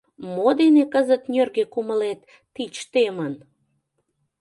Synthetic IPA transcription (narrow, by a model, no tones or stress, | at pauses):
mod̪enekəzət̪nʲørɣekuməlet̪ː | it͡ɕt̪emən